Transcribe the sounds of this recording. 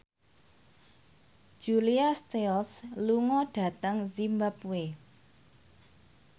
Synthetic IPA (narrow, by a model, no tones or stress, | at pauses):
d͡ʒ̥uliast̪elsluŋɔɖ̥ä̤t̪əŋzimbapue